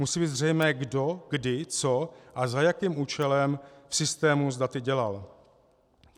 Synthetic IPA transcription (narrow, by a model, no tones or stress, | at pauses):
musiːbiːt̪zrɛjmɛːɡdo̞ɡdɪt͡so̞ʔazajakiːmuːt͡ʃɛlɛmfsɪst̪ɛːmuzdat̪ɪɟɛla̰l